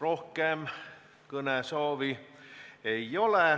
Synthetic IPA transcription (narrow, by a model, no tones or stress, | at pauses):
rohkem | kunæsoːʋi | eiole